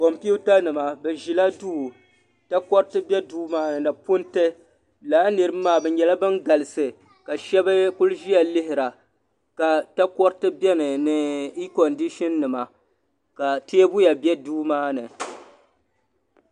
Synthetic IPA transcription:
ko˨mpi˦u˦ta˦nɨ˨ma˨bɛ˨ʒi˨la˦du˦˨ | ta˦kɔ˦ɾtɨ˦bɛ˦duː˦maː˦nɨ˨nɨ˨pʊ˦ntɨ˦ | laː˨˦nɨ˨ɾɨ˦m˦mːaː˦˨bɛ˨ɲɛ˨la˦bɨ˦nɡa˨lɨ˨sɨ˨ | ka˨ʃɛ˦bɨ˦ku˦lʒi˦ja˨lɪ˦ɦɪ˨ɾa˨ | ka˨ta˦kɔ˦ɾtɨ˦bjɛ˦nɨ˨nɨ˨i˦kɔ˨ndi˦ʃi˦nːɨ˨ma˨ | ka˨te˦bu˦ja˨bjɛ˦duː˦maː˦nɨ˨

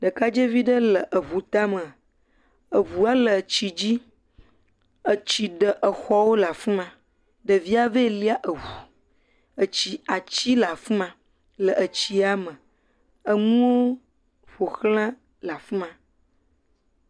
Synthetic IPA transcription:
ɖə˨ka˦d͡ʒe˦vi˦ɖə˦lə˨ʔə˨βu˨t̪a˦mə̃˨ | ə˨βu˨a˦lə˨t͡ɕi˨d͡ʑi˦ | ə˨t͡ɕi˨ɖə˨ʔə˨xɔ˦wo˦la˨fu˦mã˨ | ɖə˨vi˦a˦ve˦li˦a˦ʔə˨wu˨ | ə˨t͡ɕi˨a˨t͡ɕi˦la˨fu˦mã˨ | lə˨ʔə˨t͡ɕi˦a˦mə̃˨ | ə˦ŋũ˦wo˦ | ɸo˨xlã˦ | la˨fu˦mã˨

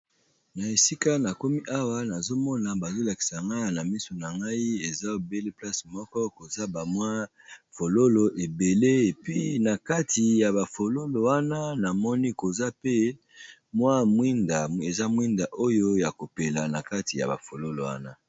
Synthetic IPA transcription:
na˨e˨si˦ka˦na˨ko˦mi˦ʔa˦wa˦na˨zo˦mɔ˦na˨ba˨zo˦la˨ki̥˨sa˨ŋɡa˦˨na˨mi˦so˨na˨ŋɡa˦i˦e˨za˦o˨be˦le˦pla˦smɔ˦kɔ˦ko˨za˦ba˨mwa˦ | fo˨lo˦lo˨ʔe˨be˨le˦e˨pi˦na˨ka˦ti˨ja˨ba˨fo˨lo˦lo˨wa˦na˦na˨mɔ˦ni˦ko˨za˦pe˦ | mwa˦mwi˦nda˨e˨za˦mwi˦nda˨ʔo˦jo˦ja˨ko˨pe˨la˨na˨ka˦ti˨ja̰˨ba̰˨fo˨lo˦lo̰˨wa̰˦na˦

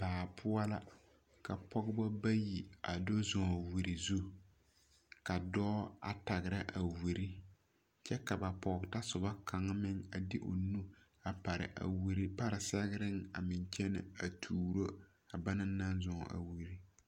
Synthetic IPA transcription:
b̥aː˨pʰʊ˦a˦la˦ | ka˨pɔ˦ɡbɔ˦ba˦ji˨a˨do˦zɔ̃˨wu˨ɾi˨zu˦ | ka˨dɔː˦a̰˨ta˨ɡɨ˨ɾa˦ʔa˨wu˨ɾi˦ | t͡ʃɛ˦ka˨ba˨pɔ˨ɡta˦sʊ˨ba˦kʰa˨ŋ˦mɪ˦ŋa˨dɪ˦ʔo̰˨nu˦ | a˨pa˨ɾɪ̰˨ʔa̰˨wu˨ɾi˦pa˦ɾɪ˨sa˦ɡɪ˦ɾɪ˦ŋa̰˨mɪ˨nt͡ʃɛ˦nɪ̰˨a˨tʰuː˨ɾo˦ | a˨ba˦nɨ˦na˦n˦zɔ˨ʔa̰˨wu˨ɾi˦

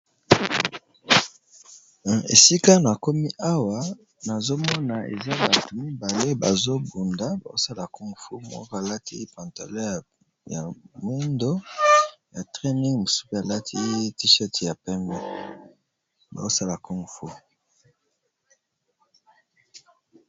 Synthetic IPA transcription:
ḛ˨si˦ka˦n˨a˨ko˦mi˦ʔa˦wa˨ | na˨zo˦mɔ˦na˨ḛ˨za˦ba˨tu˨mi˦ba˨le˦ba˨zo˦bu˨nda˨˦ba̰˨o˦sa˦la˨ku˦ŋɡfu˦mɔ̰˦kɔ˦a˨la˦ti˦pã˨nta̰˨lɛ˦˨ | ja̰˨mu˦ndo˦ | ja˨tʁɛ˦ni˦ŋmo˨su̥˦ku˦a˨la˦tʰi˦ti˦ʃɛ˦tja˨pɛ˦mbɛ˦ | ba̰˨o˦sa˦la˨ku˦ŋ˨fu˦

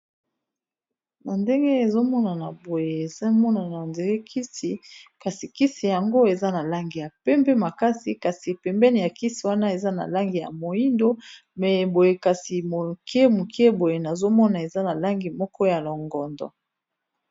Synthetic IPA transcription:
na˨nde˦ŋɡe˦e˨zo˦mɔ˦na˨na˨bo˨je˨za˦mɔ˦na˨na˨nde˨ɡɛ˦kʰi˦si˨ka˨si˨ki˦si˨ja˨ŋɡo˦e˨za˦na˨la˦ŋɡi˨ja˨pɛ˦mbɛ˦ma˨ka˦si˨ka˨si˨pɛ˨mbɛ˦ni˨ja˨ki˦si˨wa˦na˦e˨za˦na̰˨la˦ŋɡi˨ja̰˨mo˨i˦ndo˦ | mɛ˨bo˨je˨ka˨si˨mo˨ke˦mo˨ke˦bo˨je˨na˨zo˦mɔ˦na˨e˨za˦na˨la˦ŋɡi˨mɔ˦kɔ˦ja˨lo˨ŋɡɔ˨ndɔ̰˨

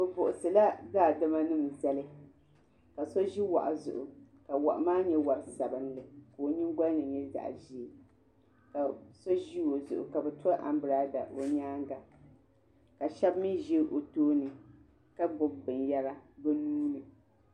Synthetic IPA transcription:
bɨ˨bʊ˨ʔʊ˨sɨ˨la˦daː˦˨dɨ˦ma˦nɨ˦m˨za˦lɨ˦ | ka˨so˦ʒi˦wa̰˨ʔa˨zʊ̰˨ʔʊ˨ | ka˨wa̰˨ʔa̰˨maː˦ɲɛ˦wa˨ɾɨ˨sa˨bɨ˦nlɨ˨koː˨ɲi˦ŋ˦ɡa˦nɨ˨ɲɛ˦da̰˨ʔʒi˦˨ | ka˨so˦ʒi˦wo˨zʊ̰˨ʔʊ̰˨ka˨bɛ˨ta˦ʔa̰˨m˦bɨ˨ɾa˨˦da˨o˦ɲaː˦ŋɡa˨ | ka˨ʃɛ˦bmɨ˦ʒi˦ʔo˨toː˦nɨ˨ | ka˦bʊ˨b̚bɨ˨nja˦ɾa˦bɨ˦nuː˦nɨ˨

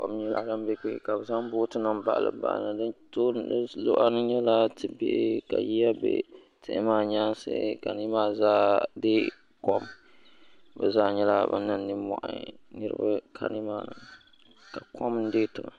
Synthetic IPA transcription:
kɔ̰˨m˦ɲɛ˦la̰˨da˦m˦bɛ˦ke˦˨ka˨bɨ˨za˦m˦boː˦tɨ˦na˦mba̰˨ʔa˨lɨ̰˨ba̰˦˨ʔna˨dɨ˦nto˦lo˦ʔa˦nɨ˦ɲɛ˦la˦tɨ˨bḛ˦ʔka̰˨ji˦ja˦bḛ˦ | tɪ˦ʔɪ˦maː˦˨ɲaː˦nsɨ̰˦ka˨ni˦maː˦zaː˦de˦ | kɔ˦m | bɛ˨zaː˦ɲɛ˦la˦˨ba̰˦na˦nːɨ˦mɔ̰˨ʔa̰˦nɨ˦ɾɨ̰˦ba˦kʰa̰˨nɪ˦maː˦nɨ˨ | ka˨kʰɔ˦mn̩˦deː˦tʊ˨ŋa˨

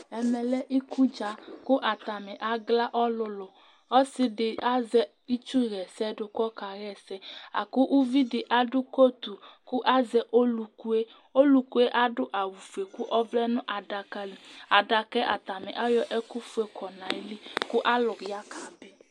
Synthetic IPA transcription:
ɛ˨mɛ˨lɛ˦ʔi˦ku˦d͡ʒa˨kʊ˦ʔa˨t̪a˨mɛ˨ʔa˦ɡla˦ʔɔ˦lʊ˦lʊ˨ | ɔ˦sɪ˦ɖɪ˨a˦zɛ˦ | i˦t͡ʃu˦ɣɛ˨sɛ˦dʊ˨kɔ˦ka˨ɣɛ˦sɛ˦a̰˨kʊ˦ʔu˦vi˦dɪ˨ʔa˦ɖʊ˦ko˦t̪u˨kʊ˦ʔa˦zɛ˦ʔo˦lu˨ku˦e˦ | o˦lu˨ku˦e˦ʔa˦ɖʊ˦ʔa˨wu˨fe˨ku˦ʔɔ˦vlɛ˦nʊ̃˦ʔa˨da˨ka˨li˨a˨da˨kɛ˦ʔa̰˨t̪a˨mɛ˨ʔa˦jɔ˦ʔɛ˦ku˦fu˦e˨kɔ˨nã˨ɛ˦li˦kʊ˦ʔa˦lʊ˨ja˦kʰa˨bɛ˦

